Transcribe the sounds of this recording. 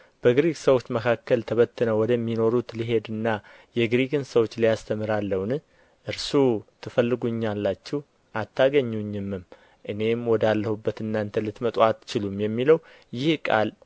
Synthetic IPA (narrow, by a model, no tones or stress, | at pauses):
b̥əɡɾiksəwo̞t͡ʃːməkʰakːəlt̪ʰəβət̪ːɨnəwɔd̪əmːino̞ɾut̪liɦe̞d̪ɨnːa | jɛɡɾiɡɨnsəwo̞t͡ʃːlijast̪ʰəmɨɾalːəwn | ʔɨɾsut̪ʰɨfəlːɨɡuɲːalːat͡ʃːɛh | ʔat̪ʰːaɡəɲːuɲːɨmːɨm | ʔɨne̞mwɔd̪alːəhubːət̪ɨnːant̪ʰəlɨt̪mət̪ʼwat̪ːt͡ʃɪlumjɛmːiləw | jɪhkʼa̰l